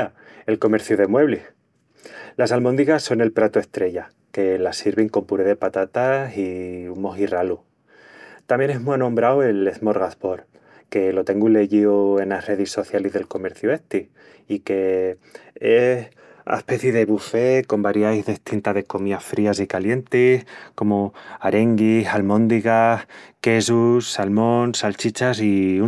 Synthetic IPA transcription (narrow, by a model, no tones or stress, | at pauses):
e̞lko̞me̞ɾθjuð̞e̞mwe̞βle | lasalmond̪iɣasːo̞ne̞lpɾat̪ue̞st̪ɾe̞ʝa | ke̞lasiɾβeŋko̞mpuɾeðe̞pat̪at̪asiumo̞ɦiralu | t̪amjene̞ɦmwanõmbɾawe̞le̞θmo̞ɾɣaspo̞ɾ | ke̞lo̞t̪e̞ŋɡule̞ʝioe̞nasre̞ðisːo̞θjalizðe̞lko̞me̞ɾθjue̞ht̪i | ike̞ | e | a̰espe̞θjeðe̞βufe̞ko̞mbaɾjajzðeht̪int̪aðe̞ko̞miafɾiasikalje̞nt̪ihko̞moaɾe̞ŋɡisalmõ̞nd̪iɣahke̞s̬ussalmõ̞nsalt͡ʃit͡ʃasiu